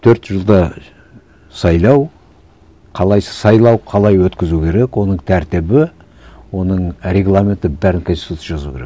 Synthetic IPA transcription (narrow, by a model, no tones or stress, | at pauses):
t̪ʰɵɾt̪ʒəlˠd̪ɑ | sɑjlˠɑw | qʰɑlˠɑjsə̥sɑjlˠɑwqʰɑlˠɑjwɵt̪kʲɪzukʲʰe̞ɾe̞kwo̞nəɴt̪ʰæɾt̪ɪbɪ | wo̞nəɴɾʲe̞ɡlˠamʲe̞nt̪ɪbæɾɪnkʰonsi̥t̪ut̪ʲːjʒɑzukʲʰe̞ɾek